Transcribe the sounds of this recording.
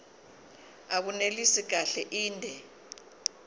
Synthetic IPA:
ak̬unelisik̬aɬɛʔiːndʱɛ

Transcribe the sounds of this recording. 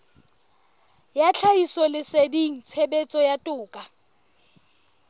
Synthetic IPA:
jat͡ɬʰaisɔlɪsediŋ̩t͡sʰebet͡sʼɔjatʼʊːkʼa

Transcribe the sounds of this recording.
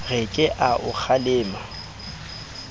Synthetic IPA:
ɣɪkʼɪʔaʔʊk͡xʰalɪːma

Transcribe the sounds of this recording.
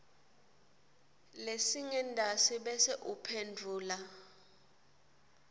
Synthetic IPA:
lesiŋɛndʱasiɓɛsɛʔupʰendʱuːla

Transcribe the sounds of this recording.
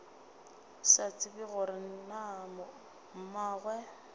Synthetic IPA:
sat͡sʼɪbɪɣʊɾɪn̩namɔ | m̩maːɣwɛ

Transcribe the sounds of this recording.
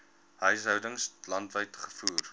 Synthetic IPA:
ɦəjsɦœwdəŋslɐntvəjtχə̥fuːr

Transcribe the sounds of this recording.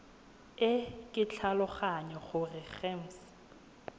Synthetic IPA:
ɪkʼɪt͡ɬʰalʊχaɲɔχʊrɪχɛm̩s

